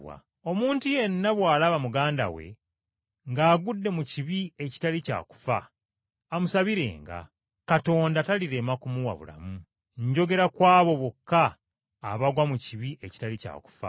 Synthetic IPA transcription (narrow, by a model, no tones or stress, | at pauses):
wa̰ | o̞muːntuje̞nːaβwaːlaβamuɡaːnda̰we̞̰ | ŋɡaːɡudːe̞muciβie̞ci̥talica̰ːku̥faː | musaβiɾe̞̰ːŋɡa̰ | kato̞ːndataliɾe̞makumuwa̰βṵla̰mu | ɲɟo̞ɡe̞ɾakwaːβo̞βokːaː | βaɡwamuciβieci̥talica̰ːku̥fa̰